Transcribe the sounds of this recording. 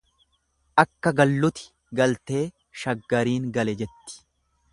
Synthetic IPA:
ʔɐkːɐɡɐlːʊt̪ɪ̥ | ɡɐlt̪e̞ː | ʃɐɡːɐɾiːŋɡɐlɛd͡ʒɛt̪ːɪ̥

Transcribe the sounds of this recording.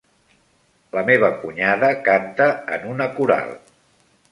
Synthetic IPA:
ləmeβ̞əkuɲaðəkant̪əə̰nunəkuɾa̰lˠ

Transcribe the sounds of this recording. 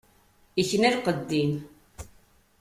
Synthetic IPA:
içnæɾqəd̪ːim

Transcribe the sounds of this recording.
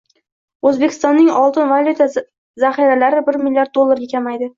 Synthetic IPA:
ɵzbe̞kʲʰɪ̥st̪ɒnːɪŋɒlˠt̪ɪnvalʲut̪ʰa | zaχiɾalaɾɪbɪɾmɪlʲːijaɾd̪̚d̪o̞lˠːaɾɡʲakʲʰamajd̪ɪ

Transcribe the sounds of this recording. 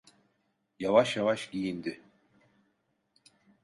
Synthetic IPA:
javaʃjavaʃɟijind̪ɪ

